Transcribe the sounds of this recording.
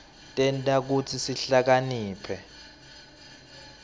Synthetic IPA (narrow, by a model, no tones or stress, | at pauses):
tʼɛntʼak̬utʰisiɬak̬aniːpʰɛ